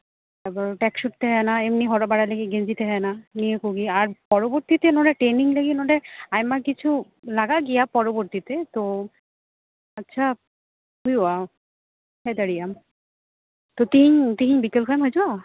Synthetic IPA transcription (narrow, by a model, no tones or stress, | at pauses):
ɛbɔɾʈɛkʃuʈ̚t̪eɦɔenaemniɦɔɽabaɽaleɡiɡend͡ʑit̪eɦɔenanijekuɡiaɾpɔɾoboɾt̪it̪enoɖeʈɾeniŋleɡinoɖeajmaɾkit͡ɕʰu | laɡaɡijapɔɾoboɾt̪it̪et̪o | atːɕʰa | ɦujua | ɦɛd̪aɾijam | t̪ot̪iɲt̪iɦiɲbikelkʰajmɦɔjd͡ʑua